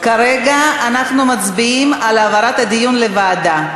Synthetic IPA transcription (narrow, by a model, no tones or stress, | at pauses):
kaɾe̞ɡaanaχnumat͡sbiimalavaɾat̪had̪ijunle̞vaːda